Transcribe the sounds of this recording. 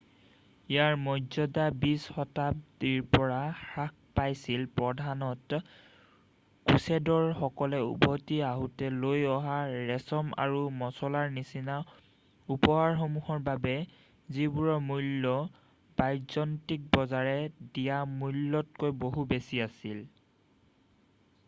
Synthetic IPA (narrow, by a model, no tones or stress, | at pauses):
ijaɹmɔzɔdabisxɔtap̚diɹpɔɹaxɹak̚pajsilpɹɔdʱanɔt | kusɛdɔɹxɔkɔlɛṵbɔtiaɦutɛlojɔɦaɹɛsɔma̰ɹumɔsɔlaɹnisina | upɔɦaɹxomuhɔɹbabɛ | zibuɹɔmulːɔ | bajzɔntik̚bɔzaɹɛdijamulːɔt̚kojboɦubesiasil